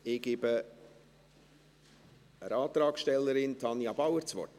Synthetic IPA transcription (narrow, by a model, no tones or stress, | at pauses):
ɪɡ̥ɪbə | əɾɑːt̪ɾɑːksʃtɛlːəɾɪntʰɑnjɑb̥awəɾt͡sʋɔ̰rt